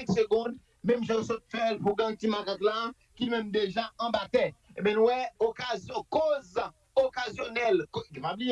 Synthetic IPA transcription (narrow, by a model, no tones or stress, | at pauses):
ɛ̃kseɡɔ̃d̪ | mɛ̃mʒɔ̃sɔt̪̚fɛlpuɡãt̪imakat̪la | kimɛ̃md̪eʒaɐ̃bat̪ɛebɛ̃nũwɛokazjɔ̃koz | okazjonɛlkkipablij